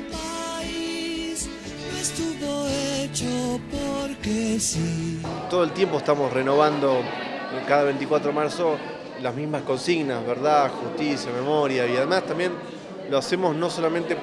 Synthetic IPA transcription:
pais | mest̪uβoet͡ʃopoɾkesit̪oð̞oelt̪je̞mpo̞eht̪amosreno̞βand̪o̞ | kaðaβejnt̪ikwat̪ɾomaɾso̞ | lazmizmasko̞nsiɣnazβeɾðaxust̪isjame̞mo̞ɾjaiaðemast̪ambje̞n | loase̞mo̞sno̞so̞lament̪e

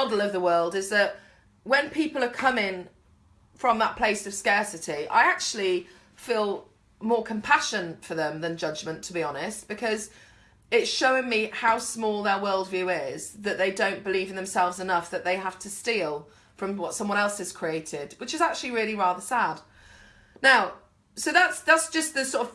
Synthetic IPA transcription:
ɑdl̩ˠʌvðəwɜ˞lˠdɨzðəʔ̚ | wə̃npʰipl̩ˠə˞kʰʌmɪ̃ŋ | fɹə̃mðət̚pʰl̥eɪsʌv̥skɛɹsɨtiʔa̰ɪak̚t͡ʃʉl̩ˠi | fiːlˠ | mɔːɹkʰə̃mpʰaʃɨ̃nfəðə̃mðɨ̃nd͡ʒʌd͡ʒmə̃ntʰəbiɑnɪst̚b̥ɨkʰʌz | ɪtʃoʊɪ̃ŋmihaʊsmɔlˠðəwɜ˞lˠdvjʉɪz̥ðɨt̪ʔ̚ðeɪdõʊ̃nb̥ɨliṽnðə̃msɛlˠvzɨnʌfðɨt̪ʔ̪̚ðeɪɦaftʰəstilˠ | fɹʌ̃mwʌtsʌ̃mwʌ̃ñɛlˠsɨz̥kʰɹ̥ieɪtʰɪd̥̚wɨt͡ʃɨzak̚t͡ʃʉlˠiɹɪlˠiɹæðəsad̥ⁿ | naʊ | soʊðatsðætsd̥ʒ̥ʌs̚ðɨsɔɾəv̥

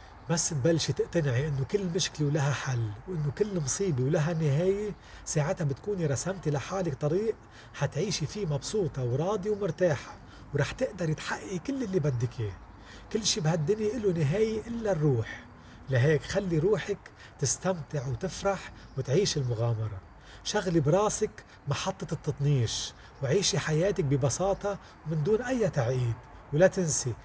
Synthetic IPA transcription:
basːbalːʃit̪ɪʔt̪anʕiʔɪnːokɪlːmɪʃklewlaɦaħalːwʔɪnːokɪlːmsˤiːbiwlaɦanːɪɦeːje | saːʕɪt̪habɪt̪kuːniɾˤɑsamt̪ilaħaːlɪkt̪ˤɑɾiːʔ | hat̪ʕiːʃifimɑbsˤuːt̪ˤɑwɾˤɑːd̪iwmʊɾt̪aːħḁ | wɾˤɑːħt̪ɪʔd̪ɑɾˤjɪt̪ħaʔːikɪlːʔɪlːibad̪ːɪkʰi | kɪlːʃiːbhad̪ːɪniʔɪlunɪɦeːjiʔɪlːarːuːħ | laɦeːkxalːiɾuːħak | t̪ɪst̪amt̪ɪʕwt̪ɪfɾɑħ | wɪt̪ʕiːʃɪlmʊɣaːmɑɾˤɑ | ʃaɣlibɾˤɑːsɪk | mɑħɑt̪ˤːɑt̪ɨt̪ːɑt̪ˤniːʃ | wʕiːʃiħajeːt̪ak̚bɪbɑsɑːt̪ˤɑ | mɪnd̪uːnʔajːat̪aʕʔiːd̪wlat̪ɪnsi

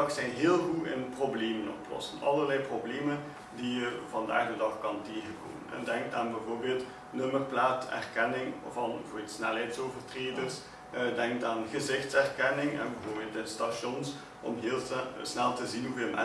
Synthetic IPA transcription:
ɑxsɛjnɦeːlˠɣuɪ̰nprobleːmənɔ̰plɔ̰sənɑ̰lˠərlɛjprobleːmən | dijəvɑnda̰ːɣdədɑxkɑnteːɣəko̰ːmənɛ̰ndɛŋk̚taːnbɛvoːrbeːlˠt | nɵmərplaːtɛ̰rkɛnɪŋvɑnfitsnɛlˠɦɛjtsoːvərtreːdərs | dɛŋk̚taːnɣəzɪxtsɛrkɛnɪŋɛ̰nbɛvoːrbeːlˠtɪnstaʃɔns | ʔɔ̰mɦeːlˠsnɛlˠtəzinɦuvəmɛ̰

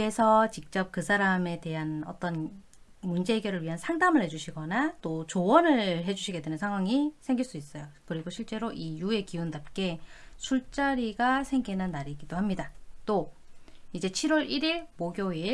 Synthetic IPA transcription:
e̞sʰʌt͡ɕik̚t͡ɕ͈ʌp̚kɯsʰaɾame̞te̞ɦanʌ̰t͈ʌn | mund͡ʑe̞eɡjʌɾɯɭɥiɦansʰaŋdamɯɭhe̞d͡ʑuɕʰiɡʌnat͈ot͡ɕowʌnɯɭɦe̞d͡ʑuɕʰiɡe̞dwenɯnsʰaŋɦwaŋisʰe̞ŋɡiɭs͈uis͈ʌjokɯɾiɡoɕʰiɭt͡ɕ͈e̞ɾoʔijue̞kiundap̚k͈e̞sʰuɭt͡ɕ͈aɾiɡasʰe̞ŋɡinanːaɾiɡidohamɲidat͈o | id͡ʑe̞t͡ɕʰiɾwʌɾiɾiɭmoɡjoi

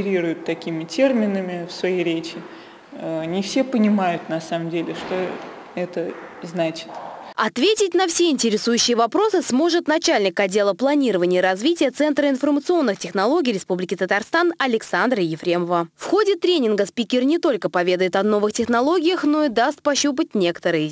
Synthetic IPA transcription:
ɾʲiɾʊjʊt̪ːɐkʲimʲɪtʲe̞rmʲɪnəmʲɪfsvɐjejɾʲet͡ɕɪ | nʲɪfsʲepənʲɪmajʊt̪nɐsaməmdʲelʲɪʂt̪o | ɛt̪əznat͡ɕɪ̥t̪ɐt̪vʲetʲɪtʲnɐfsʲeɪnʲtʲɪɾʲɪsujʉɕːɪjəvɐpɾo̞sɨsmo̞ʐɨt̪nɐt͡ɕalʲnʲɪkɐdʲːe̞lˠəplˠɐnʲiɾəvənʲɪjəɾɐzvʲitʲɪjət̪sɛnt̪ɾəɪnfərmət̪sɨo̞nːɨxtʲɪxnɐlˠo̞ɡʲɪːɾʲɪspublʲɪkʲɪt̪ət̪arst̪anɐlʲɪksand̪ɾəjɪfɾʲe̞məvəfxo̞dʲɪt̪ɾʲenʲɪnɡəspʲikʲɪrnʲɪt̪o̞lʲkəpɐvʲe̞d̪əjɪt̪ɐno̞vɨxtʲɪxnɐlˠo̞ɡʲɪjəxno̞id̪ast̪̚pɐɕːup̬ət̚ʲnʲe̞kə̥t̪əɾɨjə

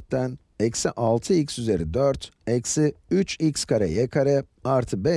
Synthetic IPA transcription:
t̪̚d̪æn | ɛcsiʔalˠt̪ʰɯicsyze̞ɾid̪øɾt̪ | ɛcsiyt͡ʃicskʰaɾɛ̰jɛkʰaɾɛaɾt̪ʰɯbɛ

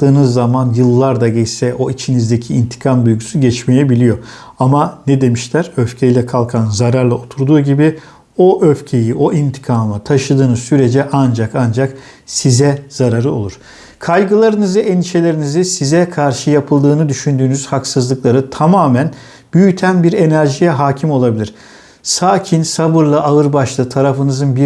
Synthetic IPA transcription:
t̪ːɯːnɯzːamanjɯlˠːaɾd̪aɟɛsɛʔo̞it͡ʃʰinizd̪ecʰiːnt̪ʰi̥kʰamd̪ujɡusyɟɛt͡ʃmejebilʲijo̞ | amanɛd̪e̞miʃlʲæɾøfcʰe̞jilʲɛkʰalˠkʰanzaɾaɾlˠao̞t̪ʰuɾd̪uːɟibi | o̞ʔøfcʰe̞jiʔo̞ʔint̪ʰi̥kʰaːmat̪ʰaʃɯd̪ɯːnɯsyɾe̞d͡ʒɛʔand͡ʒakand͡ʒak | sizɛz̥aɾaɾɯo̞̰lˠuɾ̥ | kʰajɡɯlˠaɾɯnɯzɯʔend̪iʃe̞lʲe̞ɾinizisizɛkʰaɾʃɯjapʰɯlˠd̪ɯːnɯd̪yʃynd̪yːnyz̥haksɯzlˠɯklˠaɾɯt̪ʰamaːmæn | byjyt̪ʰænbiɾe̞næɾʒijɛɦaːcʰimo̞lˠabilʲiɾ̥ | saːcʰinsabɯɾlˠaʔaɯɾbaʃlˠɯt̪ʰaɾafɯnɯzɯnbi

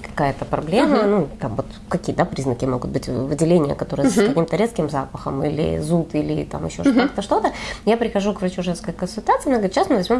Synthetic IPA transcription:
kɐ̥kajət̪əpɾɐblʲemənut̪amvo̞t̪ | kɐkʲijəd̪apɾʲiznəkʲɪmo̞ɡʊt̪̚bɨtʲvɨdʲɪlʲenʲɪjə̰kɐt̪o̞ɾɨjəskɐkʲimt̪əɾʲet̪skʲɪmzapəxəmḭlʲɪ̰zut̪ilʲɪ̰t̪a̰mɪ̰ɕːo̞̰ʐkakt̪əʂt̪o̞t̪əjapɾʲɪxɐʐukvɾɐt͡ɕuʐɛnskəjəkənsʊlʲt̪at̪sɨɐnaɡəɾʲɪt̪ɕasmɨvɐzʲmʲo̞m

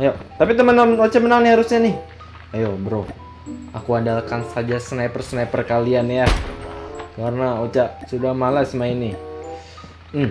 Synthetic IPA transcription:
jot̪apit̪umənaot͡ʃaʔmənaŋnɪhaɾʊsɲanɪh | ajobəɾoh | akuadalkansad͡ʒasənajpərsənajpərkalianja | karnaot͡ʃaʔsudahmalasəmainɪ | m̩

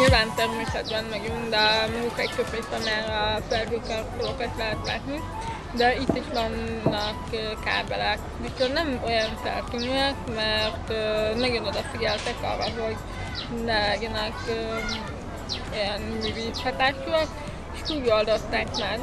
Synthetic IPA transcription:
ɲilvaːnt̪ɛrmeːsɛd̪bɛnmɒɡund̪ɛmɛɡukɛk̚t̪øpmest̪ɛmaːɾɒfɛlɦøkːɛlfolokɒt̪lɛɦɛt̪la̰ːt̪ni | d̪ɛit̪ːiʃʋɒnːɒkːka̰ːbɛ̰lɛk | dit͡ʃørnɛmo̞jɒnsɛ̰lk̪øɲyɛkmɛrt̪ønɒɡonod̪ɒfiɟɛlt̪ɛkɒ̰lvɒɦoɟ | nɛɛɡɛnɛkː | o̞jɒnmyːviːt̪hɒt̪aːʃuɒk | eʃkuːɟɒld̪ot̪ːaːkmaːr

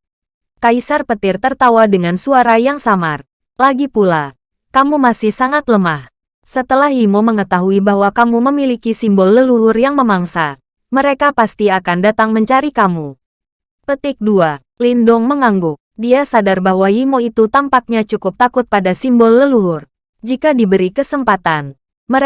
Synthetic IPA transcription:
kaisarpət̪ɪrt̪ərt̪awadəŋansuaɾajaŋsamar | laɡipula | kamumasɪhsaŋat̪ləmah | sət̪əlahimoməŋət̪aɦuibahwakamuməmilikisimbɔlːəluɦʊrjaŋməmaŋsa | məɾekapast̪iakandat̪aŋməɲt͡ʃaɾikamu | pət̪ɪk̚dua | lindʊŋməŋaŋɡʊk̚diasadarbaɦwajimoit̪ut̪ampak̚ɲat͡ʃukʊp̚t̪akʊt̪̚padasimbɔlːəluɦʊr | d͡ʒikadibəɾikəsəmpat̪an | mə

